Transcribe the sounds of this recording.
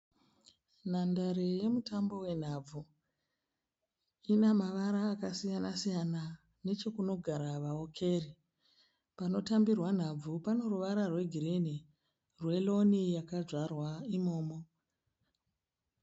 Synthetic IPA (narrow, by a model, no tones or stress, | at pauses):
n̤andaɾe̞je̞mutambo̞we̞n̤ab͡vu | inamaʋaɾaːkasijanasijana | ne̞t͡ʃo̞kuno̞ɡʱaɾaʋao̞kʰe̞ri | pano̞tambirwan̤ab͡vupano̞ruʋaɾarwe̞ɡʱiɾeni | rwe̞lo̞nijakaʐwarwaimo̞ːmo